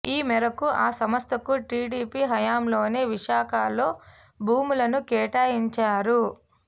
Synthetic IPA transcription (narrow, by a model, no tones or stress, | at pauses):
iːmɛɾɐkuʔaːsɐmɐst̪ɐkuʈiːɽiːpiːɦɐjaːmlo̞ːne̞ːʋiʃaːkaːlo̞ː | bʱuːmulɐnukɛːʈaːjiɲt͡ʃaːɾu